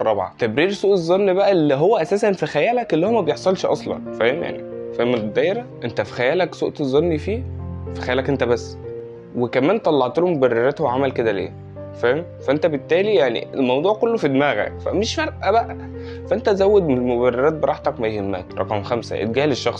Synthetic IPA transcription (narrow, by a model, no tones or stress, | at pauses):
ɑbʕɑ̰t̪æbɾiːɾsuːʔezˤːonːibæʔælːiɦowːæʔæsæːsænfixæjæːlækʔelːhowːmæbejeħsˤɑlʃʔɑ̰sˤlɑ̰nfæhemja̰ʕnḭfæhemd̪æjeɾæʔent̪æfi̥xæjæːlæksṵʔt̪ezˤːonːifiːfi̥xæjæːlækʔent̪æbæsː | wekæmæːnt̪ˤɑlːɑʕt̪olumobærːeɾæt̪hoʕamælked̪ælḛː | fæhem | fæʔent̪æbet̪ːæːlijaʕnḭelmɑwd̪ˤuːʕkolːofid̪mæːɣæ̰fæ̰meʃfæɾˤʔæbæʔæ | fæʔent̪æzæwːed̪mobærːeɾæːt̪̚beɾˤɑħt̪ækmæjhemːæ̰ːkɾˤɑ̰qɑmxæmsæ̰ʔḛt̪̚ɡæːheleʃːɑxsˤ